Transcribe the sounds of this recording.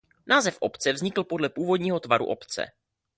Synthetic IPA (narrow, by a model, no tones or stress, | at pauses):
nʔaːzɛfʔo̞pt͡sɛvzɲɪkl̩po̞dlɛpuːvo̞dɲiːɦo̞t̪vaɾṵʔopt͡sɛ̰